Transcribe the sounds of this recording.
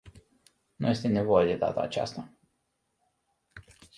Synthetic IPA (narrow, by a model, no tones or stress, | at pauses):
nṵje̞st̪e̞ne̞vo̞jed̪e̞d̪a̰t̪a̰ːt͡ʃa̰st̪a